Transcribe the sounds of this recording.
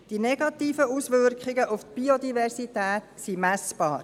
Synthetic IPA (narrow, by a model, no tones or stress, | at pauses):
d̥inɛɡ̥ɑt̪iːfəuːsʋʏrkχɪɡəʔuft̪̚b̥iod̪ivɛrsitæːt̪simæsb̥ɑːɾ